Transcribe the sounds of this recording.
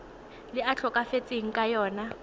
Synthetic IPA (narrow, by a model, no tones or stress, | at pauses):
lɪat͡ɬʰɔkʼafet͡sʼeŋ̩kʼajɔːna